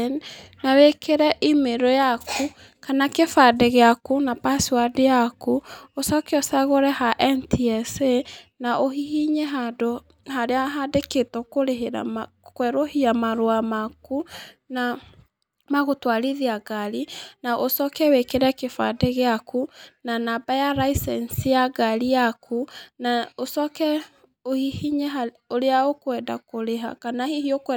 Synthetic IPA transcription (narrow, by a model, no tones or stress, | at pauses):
nnawekeɾɛʔimeɾɔjakʰu | kanakefadɛɣeakunapasiwadejakuosɔkɛɔsaɣoɾɛhaʔɛntiɛse | naʔohihiɲeɦado | haɾeaɦadeketɔkoɾeɦa̰ | kwɛɾohiamaɾoamaku | na | maɣotwaɾiðiaɡaɾinaʔosɔkɛwekeɾɛkefa̰deɣeakunanabajaɾaisɛnsijaɡaɾijakʰunaosɔkɛ | ohihiɲɛɦa | oɾeaokwɛːda̰koɾeɦa̰kanahihiokɛ